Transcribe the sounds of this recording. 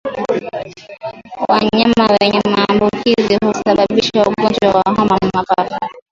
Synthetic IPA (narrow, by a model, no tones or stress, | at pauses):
waɲamawɛɲɛmaːmbukiziɦusaɓaɓiʃauɠɡɔnd͡ʒwawaɦɔmam̩mapafa